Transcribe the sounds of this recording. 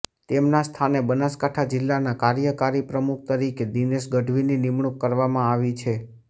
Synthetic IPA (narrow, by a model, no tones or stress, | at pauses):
t̪emnast̪ʰanebənaskaʈʰad͡ʒɪlːanakaɾjəkaɾipɾəmuk̚ʰt̪əɾiked̪ineʃɡəɖʱʋininimɳukːəɾʋamãaʋit͡ʃʰe